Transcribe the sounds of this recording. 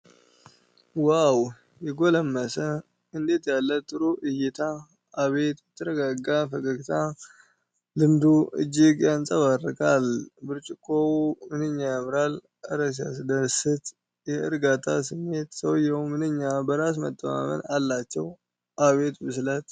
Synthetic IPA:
waw | jɛɡo̞ləmːəsə | ɨnd̪e̞t̪jalːət̪ʼɨɾuʔɨjɪt̪ʰa | ʔːβe̞t̪jɛt̪ʰːəɾəɡaɡafəkʼəɡt̪ʰa | lɨmd̪uʔɨ̰d͡ʒːiɡjansʼəβarːɨkʼalbɨɾt͡ʃʼɪkʼːomɨnɨɲːajamɨɾal | ʔəɾəs̬ja̰sɨd̪əsɨt̪ | jɛɨɾɡat̪ʰa̰sɨmːe̞t̪səwjɛwmɨnɨɲːabəɾas̬mə̰t̪ʼːəma̰mə̰nalːat͡ʃːɛw | ʔaβe̞t̪bɨslət̪

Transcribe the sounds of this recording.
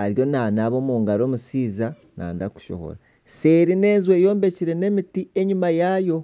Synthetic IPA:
aɾjo̞naːnaβo̞ːmuːŋɡaɾo̞ːmusiːza | na̰ːndaku̥ʃo̰ho̰ɾa | se̞ɾine̞ːnzwejo̞ːmbe̞ciɾe̞ne̞mitie̞ɲumajajo̞

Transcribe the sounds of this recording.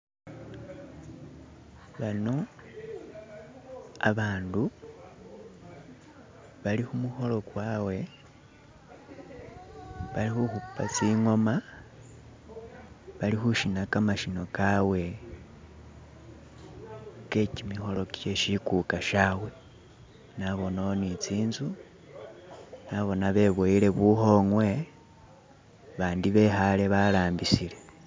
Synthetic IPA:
βano̞ | a̰βaːndu | βalixumuxo̞lo̞kwaːwe̞ | βalixuxupːat͡siŋo̞ma | βalixuʃinakamaʃino̞kawe̞ | ke̞cimixo̞lo̞kje̞ʃikukaʃawe | naβo̞nonit͡siːnzu | naβo̞naβe̞βwoile̞βuxo̞ŋwe̞ | βaːndiβe̞xale̞βalaːmbisile̞

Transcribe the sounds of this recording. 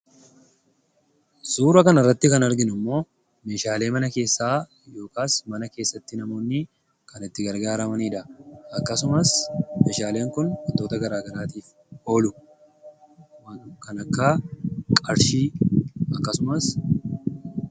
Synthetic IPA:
z̥uːɾɐkɐnɐrːɐt̪ːɪkɐnɐɾɡɪnʊmːo̞ː | me̞ːʃaːle̞ːmɐnɐke̞ːsːaː | jo̞ːkaːsmɐnɐke̞ːsːɐt̪ːɪnɐmo̞ːnːɪ | kʰɐnɪt̪ːɪɡɐɾɡaːɾɐmɐniːᶑɐɐkːɐsʊmɐsmeːʃaːle̞ːŋkʊnhɔnt̪o̞ːt̪ɐɡɐɾaːɡɐɾaːt̪iːf | o̞ːlʊ | mɐkɐnɐkːaːkʼɐɾʃiːɐkːɐsʊmɐs

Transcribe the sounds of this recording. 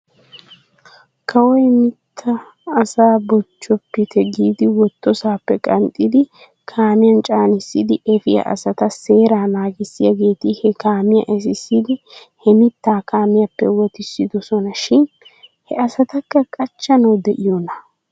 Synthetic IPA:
kʰɐwɔjmɪt̪ʰːɐː | saːbɔt͡ʃːɔpːɪt̪ʰɛɡiːd̪ɪwɔt̪ːɔsaːpːɛkʼɐnt̪ʼɪd̪ɪ | kʰaːmɪjɐnt͡ʃʼaːnɪsːɪd̪ɪʔɛfɪjɐ̰ʔɐ̰sɐt̪ɐse̞ːɾaːnaːɡɪsːɪjɐɡe̞ːt̪ɪhɛkaːmɪjɐ̰ʔɛs̬ɪsːid̪ɪ | hɛmɪt̪ːaːkaːmɪjɐpːɛwɔt̪ɪsːɪd̪ɔsɔnɐʃɪn | hɛɐsɐt̪ɐkːɐkʼɐt͡ʃːɐnɐwd̪ɛʔɪjɔnɐ

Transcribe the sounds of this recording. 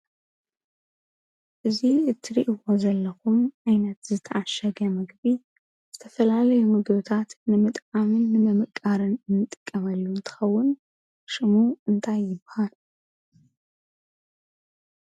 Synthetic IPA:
ʔɨziɨt̪ʰːɨɾiʔiwo̞zɐlːɐxumʔajnɐt̪zɨt̪ʰɐʔaʃɐɡɐmɨɡbi | z̥ɨt̪ʰɐfɐlalɐjumɨɡβɨt̪ʰat̪nɨmɨt̪ʼʕamɨnːɨmɐmɨkʼːaɾɨnɨnːɨt̪ʼːɨkʼːɐmɐlːunt̪ʰɨ̥xɐwːʊn | ʃɨmuɨnt̪ʰajːɪbhal

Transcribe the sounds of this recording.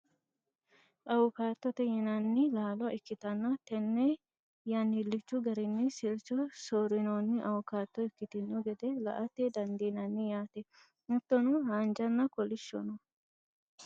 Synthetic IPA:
ʔɐwʊkaːt̪ːɔt̪ɛjɛnɐnːɪlaːlɔʔɛkːɪt̪ɐnːɐt̪ɛnːɛ | janːɪlːɪt͡ʃːʊɡɐɾɪnːɪsɪɾt͡ʃːɔsoːɾɪnoːnːɪʔɐwʊkaːt̪ːɔɛkːɪt̪ɪnːʊɡɛd̪ɛlɐ̰ʔɐt̪ːɛd̪ɐnd̪iːnɐnːɪjaːt̪ɛ | mʊt̪ːɔnʊhaːnd͡ʒɐnːɐkɔlɪʃːɔ̰nɔ

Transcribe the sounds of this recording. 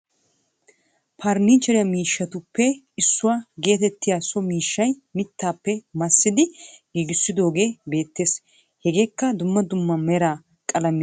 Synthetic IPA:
pʰɐɾniːt͡ʃːɛɾɪjɐmiːʃːɐt̪ʊpːɛ | ɪsːʊwaːɡe̞ːt̪ɛt̪ːɪjaːsɔmiːʃːɐjmɪt̪ːaːpːɛmɐsːɪd̪ɪɡiːɡɪsːɪd̪o̞ːɡe̞ːbe̞ːt̪ːe̞ːs | hɛɡe̞ːkːɐd̪ʊmːɐd̪ʊmːɐmɛɾaː | kʼɐlɐm

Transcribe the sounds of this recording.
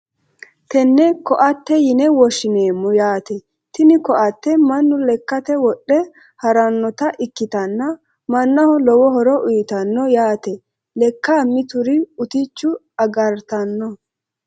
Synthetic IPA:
t̪ɛnːɛkɔʔɐt̪ːɛjɪnɛwɔʃɪneːmːʊjaːt̪ɛ | t̪ɪnɪkɔʔɐt̪ːɛmɐnːʊlɛkːɐt̪ɛwɔɗːɛ | hɐɾɐnːɔt̪ɐʔɪkːɪt̪ɐnːɐ | mɐnːɐhɔlɔwɔɦɔɾɔʔʊjt̪ɐnːɔjaːt̪ɛ | lɛkːaːmɪt̪ʊɾɪʊt̪ɪt͡ʃːʊ | ɐɡɐɾt̪ɐnːɔ

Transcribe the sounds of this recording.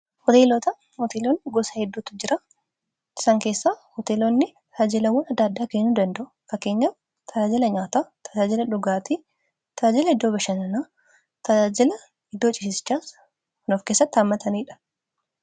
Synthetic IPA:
hɔt̪eːlɔt̪ɐ | hɔt̪elonːɪɡɔsɐhɛd̪ːuːt̪ʊd͡ʒɪɾɐ | ɪ̥sɐŋke̞ːsːaːhot̪eːlonːɪ | t̪ɐaːd͡ʒɪlɐwɔnɐd̪ːaːd̪ːaːkeːnːud̪ɐnd̪ɐʔʊkɐke̞ːɲːa | t̪ʰɐd͡ʒaːd͡ʒɪlɐɲaːt̪aːt̪ʰɐ̥d͡ʒaːd͡ʒɪlɐᶑʊɡaːt̪i | t̪ɐd͡ʒaːd͡ʒɪlɐɪd̪ːoːbɐʃɐnɐnaː | t̪ɐd͡ʒaːd͡ʒɪlɐ | ɪd̪ːoːt͡ʃʼɪsɪsɪ̥t͡ʃːaːs | nofke̞ːsːɐt̪ːɪɐmːɐt̪ʰɐniːᶑɐ̥

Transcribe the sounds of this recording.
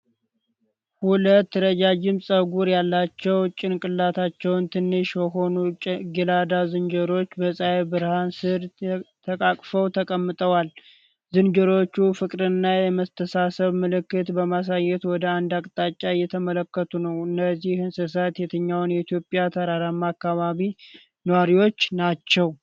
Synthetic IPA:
hulət̪ːɾəd͡ʒad͡ʒɪmsʼəɡuɾjalːat͡ʃːɛwt͡ʃʼɪnkʼɨlːat̪ʰat͡ʃːɛwnt̪ʰɨnːɨʃjɛɦo̞nuɡilad̪azɨnd͡ʒəɾo̞t͡ʃːbəsʼajebɨɾhansɨɾt̪ʰəkʼakʼfəwt̪ʰəkʼəmːɨt̪ʼəwal | zɨnd͡ʒəɾo̞t͡ʃːufɨkʼɾɨnːajɛməst̪ʰəsasəβmɨlɨkːɨt̪bəmas̬ajːɛt̪wɔd̪əand̪akʼt̪ʼat͡ʃʼːajɛt̪ʰəmələkːət̪ʰunəwɨnːəzːihhɨnsəs̬at̪jɛt̪ʰɨɲːawnjɛit̪ʰijo̞pʼjat̪ʰəɾaɾamːakːaβaβi | nəwaɾiwo̞t͡ʃːnat͡ʃːɛw

